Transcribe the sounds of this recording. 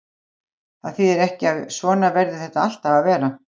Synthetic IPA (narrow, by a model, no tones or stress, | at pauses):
aðθiðɛɾɛhcɪaðsvɔːnavɛɾðɪθɛht̪aal̥t̪avaðvɛːɾa